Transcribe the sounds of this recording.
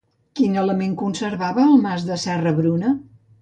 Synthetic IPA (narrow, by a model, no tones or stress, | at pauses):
kinələmeŋkunsəɾβaβəːlˠmazðəsɛrəβɾunə